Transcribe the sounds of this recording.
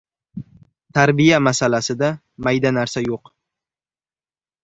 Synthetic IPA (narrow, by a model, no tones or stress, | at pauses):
t̪ʰaɾbijamasalasɪd̪a | majd̪anaɾsajoq